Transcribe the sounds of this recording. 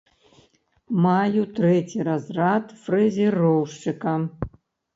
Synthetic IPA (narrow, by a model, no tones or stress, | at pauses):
majut̪ʰrɛtʲʰiɾazrat̪ʰfrɛzʲirowʂt͡ʂɨkʼa